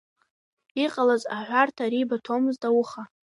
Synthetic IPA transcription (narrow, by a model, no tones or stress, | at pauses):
iqʼalazaħʷartʰaɾibatʰomɨzdawʊχa